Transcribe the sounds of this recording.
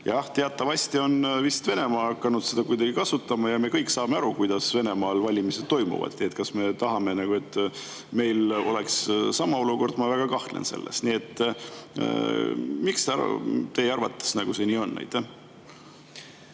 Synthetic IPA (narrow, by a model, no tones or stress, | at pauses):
jɑht̪e̞ɑt̪ːˑɑvɑsʲt̪io̞nvist̪ve̞ne̞mɑːɑkːɑnud̪̥se̞d̪̥ɑkujd̪̥ɑɡ̥ikɑsut̪ːˑɑmɑjɑme̞kɤjkːsɑːmeɑɾukujd̪̥ɑsve̞ne̞mɑːlvɑlʲimiset̪̚t̪ːo̞jmṵvɑ̰d̪̥iet̪kɑsme̞t̪ɑɦɑme̞nɑɡ̥ue̞t̪ːˑ | me̞jlo̞le̞kssɑmɑo̞luko̞rd̪̥mɑvæɡ̥ɑkɑht̪lḛnse̞̰lːḛst̪niet̪ːˑ | mikst̪eɑ̰t̪e̞jɑrvɑ̰t̪ːˑe̥snɑɡ̥use̞niːo̞nːæ̰jt̪ːˑæh